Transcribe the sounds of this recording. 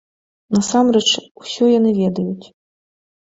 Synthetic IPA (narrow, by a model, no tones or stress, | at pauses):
nɐsamɾɛt͡ʂwsʲɔjanɨvʲɛd̪ɐjut͡sʲ